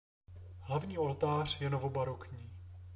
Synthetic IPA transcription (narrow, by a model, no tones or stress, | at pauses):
ɦlavɲiːo̞lt̪aːr̝̥jɛnovo̞baɾokɲiː